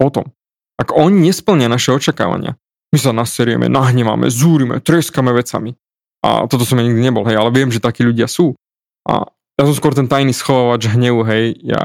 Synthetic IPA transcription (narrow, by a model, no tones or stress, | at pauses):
pɔt̪ɔm | akɔɲiɲɛspl̩ɲɪanaʃɛɔt͡ʃaka̰ːʋa̰ɲɪa̰ | mis̬anasɛɾʊjɛ̰mɛ̰naɦɲɛʋa̰mɛ̰zuːɾimɛ̰t̪ɾɛskamɛʋɛt͡sa̰mi | ʔa̰t̪ɔt̪ɔsɔmjaɲiɡ̚d̪iɲɛbɔlɦɛjalɛʋɪɛmʒɛt̪akiːʎuɟɪasuː | ʔa̰ | jas̬ɔmskwʊɔɾt̪ɛnt̪ajniːsxɔʋaːʋad͡ʒɦɲɛʋuɦɛjja̰